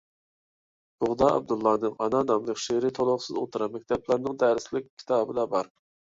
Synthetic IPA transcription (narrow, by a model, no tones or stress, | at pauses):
b̥ʊʁd̪ɑɑ̰b̚d̪ulˠːɑːnɨŋɑnɑnɑmlˠəkʲʃeɾɪt̪ʰolˠʊχsɨzot̪ʰɨɾɑmɛkʲt̪ʰɛplˠɑɾnɨŋd̪ɛɾɪslɪk̚ʲʰːi̥t̪ʰɑːbɨd̪ɑbɑɾ